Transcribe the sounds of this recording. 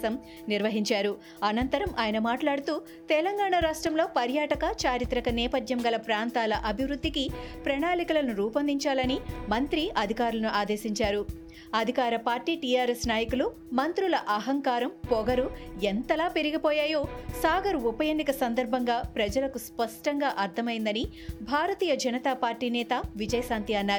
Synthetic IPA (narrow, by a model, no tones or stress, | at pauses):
ɐm | niɾʋɐɦiɲt͡ʃaːɾu | ɐnɐnt̪ɐɾɐmʔaːjɐnɐmaːʈlaːɽut̪uː | t̪ɛlɐŋɡaːɳaɾaːʂʈɾɐmlo̞ːpɐɾjaːʈɐkɐt͡ʃaːɾit̪ɾɐkɐnɛːpɐd̪ʱjɐmɡɐlɐpɾaːnt̪aːlɐʔɐbʱiʋɾud̪ːikipɾɐɳaːlikulɐnuɾuːpɐnd̪iɲt͡ʃaːlɐnimɐnt̪ɾiʔɐd̪ʱikaːɾulɐnuʔaːd̪eːsiɲt͡ʃaːɾu | ɐd̪ʱikaːɾɐpaːɾʈiːʈijaːɾesnaːjɐkulu | mɐnt̪ɾulɐʔɐɦɐŋkaːɾɐmpɔɡɐɾuent̪ɐlaːpeɾiɡipɔːjaːjo̞ːsaːɡɐɾuupɐjeːnd̪ikɐsɐnd̪ɐɾbʱɐŋɡaːpɾɐd͡ʒɐlɐkuspɐʂʈɐŋɡaːʔɐɾt̪ʰːɐmɐjind̪ɐni | bʱaːɾɐt̪iːjɐd͡ʒɐnɐt̪aːpaːɾʈiːnɛːt̪ɐʋid͡ʒɐjɐsaːnt̪iɐnːaːɾu